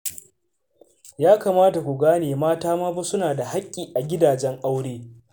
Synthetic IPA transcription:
jaː˦kaː˨maː˦ta˨kʷu˨ɡaː˦neː˨maː˦taː˦maː˦bu˦sʊ˦naː˨da˨ha˦kʲʼːiː˨ʔa˨ɡʲɪ˦daː˨d͡ʒɛ˦ŋʔa˦wɽeː˦

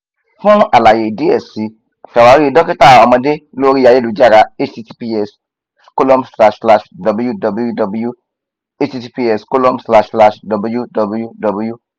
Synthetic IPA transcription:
fũ˦ʔa˨la˨je˨di˦ɛ˦˨si˨˦˨ | ʃa˨wa˨˧˦ɾi˦i˧dɔ˦ki˦ta˦˨ɔ˧mɔ̃˧de˦lo˦ɾi˦a˧je˦lu˨˦d͡ʒa˦˨ɾa˧˦e˦i˧˦ti˧pi˦ɛ˦˨s | sko˦lɔ˦msla˧ʃsla˧ʃdɔ˨bu˨˦ju˦dɔ˨bu˧˦ju˦dɔ˨bu˧˦ju˦ | e˦ti˧ti˧pi˧ɛ˨sko˦lɔ̃˦msla˦ʃla˧˨ʃdɔ˨bu˧˨ju˦dɔ˨bu˦ju˦dɔ˨bu˨˦ju˦

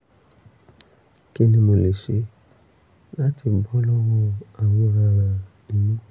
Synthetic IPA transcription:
ke˦nĩ˧mo˨le˨ʃe˨˦ | la˦ti˨bɔ˦lɔ˦wɔ̃˧a˨wo˨˦ɾa˧ɾa˧ | nĩ˨nũ˦

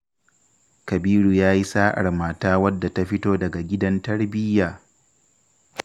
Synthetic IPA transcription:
kɐ˨biː˦ɾu˨jaː˦ji˦saː˦ʔa̰˨rmaː˦taː˦wɐ˦dːa˨ta˦ɸɪ˦toː˦dɐ˨ɡa˨ɡʲɪ˦dɐ˦ntɐ˦rbɪ˦jːaː˨

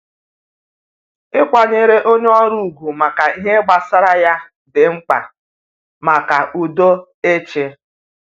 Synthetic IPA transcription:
ɪ˦kʷa˨ɲe˦ɾe˦ʔo˦ɲe˦ɔ˦ɾu˨u˨ɡʷu˨ma˨ka˨i˦ɦe˦ɡ͡ba˨sa˦ɾa˦ja˦ | dɪ˨ŋ͡m̩˦k͡pa̰˨ | ma˨ka˨ʔu˨do˦ | e˦t͡ʃe˦

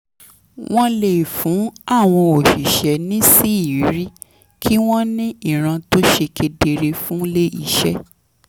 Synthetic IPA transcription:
w̃ɔ̃˦le˨fũ˨˦a˦˨w̃ɔ̃˧o˨ʃi˨ʃɛ˨˦nĩ˦si˦i˨˦ɾi˦ | kʰi˦w̃ɔ̃˦nĩ˦i˦˨ɾ̃ã˧to˦ʃe˧kʰe˧de˧ɾe˧fũ˦le˦i˦˨ʃɛ˦

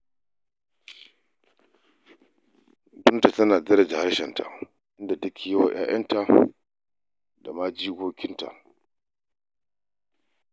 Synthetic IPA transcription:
bʊ˦nta˨tɐ˦naː˨d͡zɐ˦ɾɐ˨d͡ʒa˨ha˦ɽʃɛ˨nta̰˨ | ʔɪ˦nda˨ta˦kʲʰi˨ja˦wa̰˨j̰ʔa̰ː˦jɐ̰˦nta˨ | da˨maː˦d͡ʒiː˦ɡʷoː˦kʲɪ˦nta̰˨ʔ

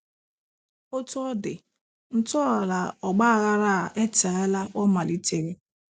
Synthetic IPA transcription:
o˦tʊ˦ɔ˦dɪ˨ | n̩˦tɔː˦˨la˨ɔ˨ɡ͡ba˦a˨ɣa˦ɾa˦˨ʔe˦ta˨a˦la˦ɔ˦ma˨li˦te˨ɣi˦

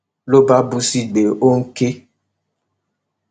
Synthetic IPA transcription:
lo˦ba˦bu˦si˦ɡ͡be˨ʔo˦ŋ̩˦ke˦

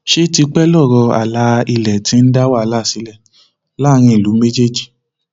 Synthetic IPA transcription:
ʃe˦ti˧k͡pɛ˦lɔ˦˨ɾɔ˧a̰˨la˨˦i˧lɛ˨tĩ˨˧˦n̩˦da˦wa˦˨˧la˦˨si˨˦lɛ˦˨ | la˦˨˦ɾ̃ĩ˧i˨lu˨˦me˦d͡ʒe˦˨d͡ʒi˨

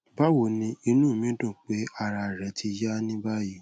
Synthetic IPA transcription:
ba˦wo˨nĩ˧i˧nũ˦˨mĩ˨˦dɔ̃˦˨k͡pe˨˦a˦˧˨ɾa˧˨ɾɛ˨˦tʰi˧ja˦nĩ˦ba˦ji˦˨

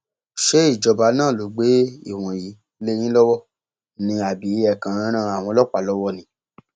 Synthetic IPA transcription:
ʃe˦i˦˨d͡ʒɔ˧ba˨˧nãː˦˨lo˨˦ɡ͡be˨˦ḭ˦˨w̃ɔ̃˨ji˨˦ | le˦j̃ĩ˦lɔ˦wɔ˦˨ | nĩ˧a˨bi˨˦ɛ˦˨kã˨˦ɾã˦ɾ̃ã˦˨a˨w̃ɔ̃˧lɔ˦k͡pa˨lɔ˨˦wɔ˦nĩ˨˦

